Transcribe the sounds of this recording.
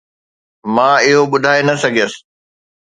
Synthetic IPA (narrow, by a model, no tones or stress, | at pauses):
mãːɪɦoɓʊd̪ʱaːenɐsɐɡʱijəsɪ̥